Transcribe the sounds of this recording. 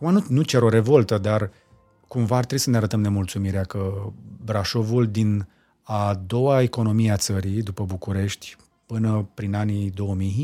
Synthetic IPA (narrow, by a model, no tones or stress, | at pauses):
umanunut͡ʃeɾo̞ɾe̞vo̞lt̪əd̪ar | kumvaart̪ɾebisəneaɾət̪əmne̞mult̪sumiɾeakəbɾaʃo̞vuld̪in | ad̪o̞wae̞ko̞no̞mieat̪səɾid̪upəbukuɾe̞ʃt̪ʲ | pɨnəpɾinanid̪o̞wəmij